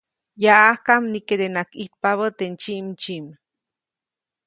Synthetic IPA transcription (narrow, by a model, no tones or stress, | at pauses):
jaʔahkamniked̪enakit̪̚paβət̪ent͡ʃiʔmt͡ʃiʔm